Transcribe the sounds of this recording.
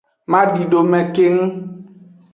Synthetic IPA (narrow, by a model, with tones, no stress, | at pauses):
mã˦ɖi˨ɖo˨mɛ̃˨ke˦ŋu˦